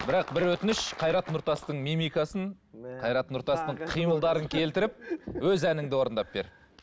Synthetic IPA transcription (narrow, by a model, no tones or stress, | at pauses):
bɪɾɑqbɪɾwɵt̪ɪnɪʃqʰɑjɾɑt̪nʊɾt̪ɑst̪əɴmimijkɑsəɴ | qʰɑjɾɑt̪nʊɾt̪ɑst̪əɴqʰijməlˠd̪ɑɾəŋkʲʰe̞lt̪ɪɾɪp̚wɵzænɪŋd̪ɪwo̞ɾnd̪ɑp̚be̞̰ɾ